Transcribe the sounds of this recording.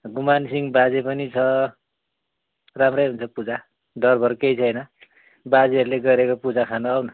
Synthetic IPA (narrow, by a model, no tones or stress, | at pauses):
ɡumansiŋbad͡zepʌnit͡sʰʌ | ramrʌjɦunt͡sʰʌpud͡za | ɖʌrbʱʌrkejt͡sʰʌjnʌ | bad͡zeʌɾuleɡʌɾekopud͡zakʰanoawnʌ